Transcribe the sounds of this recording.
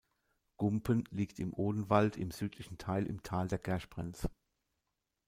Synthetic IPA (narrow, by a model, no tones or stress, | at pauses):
ɡ̥ʊmpənliːktɪmʔoːdən̩valtʰɪ̰mz̥yːtʰlɪçn̩tʰaɪlʔɪ̰mtʰaːldeːɐɡ̥ɛɐʃb̥ʁɛ̰nt͡sə